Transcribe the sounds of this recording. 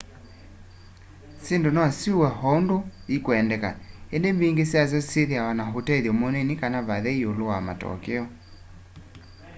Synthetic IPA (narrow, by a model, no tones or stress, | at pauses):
sendonɔsiuwɛɦɔundoikoɛndɛka̰endembiŋɡesjas̬jɔseðjawanaɦotɛðɔmonenikanaβaðɛiolowama̰tɔ̰keɔ